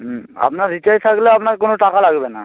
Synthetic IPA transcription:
a̰pnaɾɾitajt̪ʰakleapnaɾkonoʈakalaɡbena̰

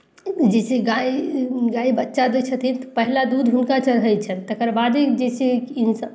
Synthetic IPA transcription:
d͡ʒesiɡaiɡaibətːʃad̪et͡ʃʰət̪ʰit̪pəɦilad̪ud̪ʱɦunkat͡ʃəɾɦəjt͡ʃʰənt̪əkəɾbad̪id͡ʒesikins

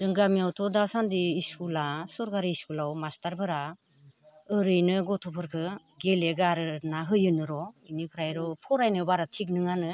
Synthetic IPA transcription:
dɯŋɡamijawtʰɔdasandiːskulasɔɾkaɾiːskulawmastaɾbɯɾa | ɯɾɯjnɯɡɔtʰɔpʰɯɾkʰɯ | ɡeleɡaɾɯnaɦɯjɯnɯɾɔinipʰɾajɾɔpʰɔɾajnɯbaɾatʰik̚nɯŋanɯ

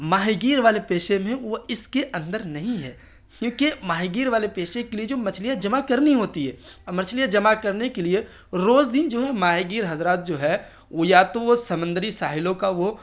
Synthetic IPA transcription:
maːɦiɡiːɾʋaːlepeːʃemẽʋoɪskeʔɐ̃nd̪əɾnɐɦĩɦɛː | kjõːkimaːɦiɡiːɾʋaːlepeːʃekelied͡ʒoːmɐt͡ʃʰlijad͡ʒɐmakɐɾniɦoːt̪iɦɛːmɐt͡ʃʰlijad͡ʒɐmakɐɾnekelie | ɾoːd͡ʒd̪ɪnd͡ʒoːɦɛmaːɦiɡiːɾɦɐzɾaːt̪̚d͡ʒoːɦɛ | ojaːt̪õosɐmə̃nd̪əɾisaːɦɪlõkaʋo

